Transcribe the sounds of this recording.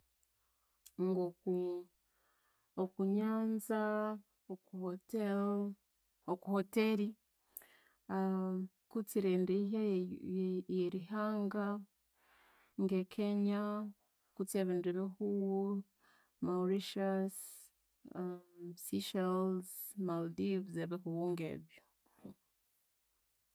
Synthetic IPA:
ŋɡoku | okuɲaːnza | otel | okuhote̞ɾi | kut͡siɾeːndeiɦa | jeɾiɦaːŋɡa | ŋɡekʰeɲa | kuteβiːndiβehuw | mawɾiʃas | siʃelzmaldivzeβehuwuːŋɡḛːβjo

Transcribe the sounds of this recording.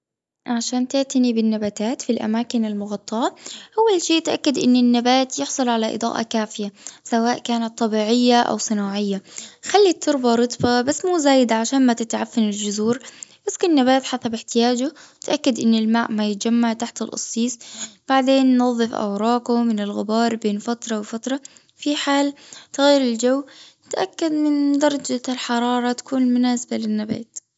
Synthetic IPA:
ʕaʃaːnt̪ɪʕt̪anibɪnːabaːt̪aːt̪filʔa̰maːkɪnalmʊɣɑt̪ˤːɑʕɑʔawːalʃiːt̪ʔakːad̪ʔɪnːɪnːabaːt̪jɪħsˤɑlʕalaʔɪ̰d̪ˤɑ̰ːʔɑ̰kaːfɪjasawaːʔkaːnat̪ˤːɑbiːʕɪjːaʔa̰wsˤɨnaːʕɪjːaxalːit̪ʰːɨɾbaɾˤɨt̪ˤbabasːmuːzaːjɪd̪aʕaʃaːnmat̪ɪt̪ʕafːanɪld͡ʒʊzuːɾʔɪskʊnːabaːt̪ħasabɪħt̪ɪjaːd͡ʒʊt̪ʔakːad̪ʔɪnːɪlmaːʔmajɪt̪̚d͡ʒamːaʕt̪aħt̪ɪlʔɑ̰sˤːiːsˤb̥aʕd̪eːnːɑðˤːɨfʔa̰wɾˤɑːkʊmɪnɪlɣɪbɑːɾˤbeːnfat̪ɾˤɑwɪfat̪ɾˤɑ | fiħaːlt̪ɪɣajːɪɾɪld͡ʒawː | t̪ʔakːad̪mɪnd̪ɑɾˤɑd͡ʒalħɑɾˤɑːɾˤɑt̪ḁkuːnmʊnaːsabalɪnːabḛːt̪

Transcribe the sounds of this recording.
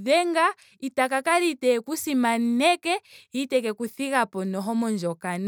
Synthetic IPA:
ðɛŋɡa | itakakaɾitɛkusimannɛkɛhitɛkɛkuθikapɔnɔɦɔmɔnd͡ʒɔkana

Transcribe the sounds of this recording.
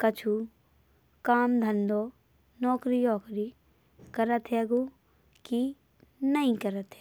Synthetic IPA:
kɐt͡ʃʰu | kaːmd̪ʱɐ̃nd̪oː | nɔːkɾijɔːkɾi | kɐɾət̪ɦɛɡo | ki | nɐĩkɐɾət̪ɦɛ̥

